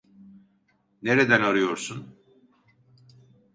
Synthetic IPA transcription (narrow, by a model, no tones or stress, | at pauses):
neɾed̪ænaɾɯjo̞ɾsun